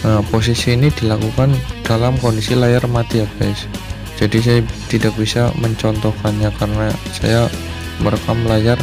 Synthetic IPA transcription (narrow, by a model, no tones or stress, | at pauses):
əpos̬isiːnidilakukand̥alamkondisilajarmat̪iaɡaɪs | d͡ʒadis̬ajat̪idak̚b̥isaməɲt͡ʃɔnt̪ɔhkanɲakarənasa̰ja | məɾkaməlajar